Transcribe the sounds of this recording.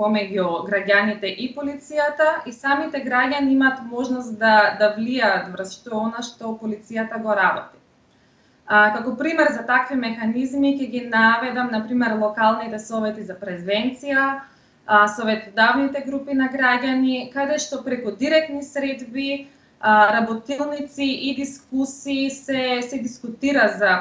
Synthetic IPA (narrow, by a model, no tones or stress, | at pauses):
pomɛɟuɡɾaɟanit̪ɛʔipolit̪sijat̪aʔisamit̪ɛɡɾaɟaniimaːt̪mɔʒnɔst̪d̪ad̪avliaːt̪vr̩sʃt̪ɔɛɔnaʃt̪ɔpolit̪sijat̪aɡɔɾabɔt̪i̥ | kakɔpɾimɛɾzat̪akvimɛxanizmicɛɡʲinavɛd̪amnapɾimɛɾlˠɔkalˠnit̪ɛsɔvɛt̪izapɾɛzvɛnt̪sija | sɔvɛt̪ɔd̪avnit̪ɛɡɾupinaɡɾaɟanikad̪ɛʃt̪ɔpɾɛkud̪iɾɛk̚t̪nisɾɛd̪bi | ɾabɔt̪ilˠnit̪siʔid̪iskusiːsɛsɛd̪iskut̪iɾaza